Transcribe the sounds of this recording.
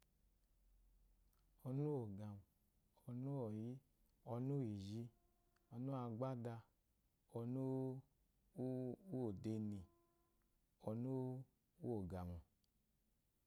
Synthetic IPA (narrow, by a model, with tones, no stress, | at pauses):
ɔ˧nu˦o˨ɡa˨m˨ | ɔ˧nu˦ɔ˨ji˦ | ɔ˧nu˦i˨ʒi˧˦ | ɔ˧nu˦a˧ɡ͡ba˦da˧ | ɔ˧nu˦ | u˦o˨de˧ni˨ | ɔ˧nu˦ | u˦o˨ɡa˨mu˨